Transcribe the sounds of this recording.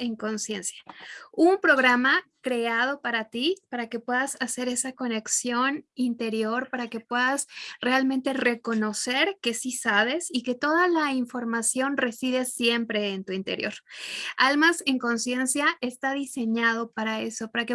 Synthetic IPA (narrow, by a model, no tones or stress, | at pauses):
eŋko̞nsje̞nsjaumpɾo̞ɣɾamakɾe̞aðo̞paɾat̪ipaɾake̞pwe̞ðasase̞ɾe̞sako̞ne̞ksjo̞nint̪e̞ɾjo̞ɾpaɾake̞pwe̞ðasre̞almẽnt̪e̞re̞ko̞no̞se̞ɾke̞sisaβ̞e̞sike̞t̪o̞ðalaiɱfo̞ɾmasjo̞nre̞siðesje̞mpɾe̞ːnt̪uint̪e̞̰ɾjo̞̰ɾalmase̞ŋko̞nsje̞nsjaʔe̞st̪aðise̞ɲað̞o̞paɾae̞̰so̞paɾake